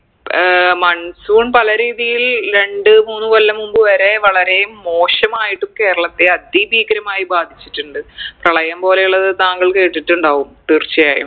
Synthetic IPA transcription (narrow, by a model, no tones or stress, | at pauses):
mɐɳsuːɳpɐlɐɾiːðijilɾe̞ɳɖɨmuːnːɨʋɐlːɐmumbɨʋɐɾe̞ʋɐɭɐɾe̞jumːo̞ːɕɐmaːjiʈːumke̞ːɾɐɭɐt̪ːeɐd̪iːbiːkɐɾɐmaːjibaːd̪ʱit͡ɕːiʈːuɳɖɨprɐɭɐjɐmpo̞ːlejuɭːɐðɨt̪aːŋɡɐɭke̞ːʈːiʈːuɳɖaːɣumt̪irt͡ɕːɐjaːjṵm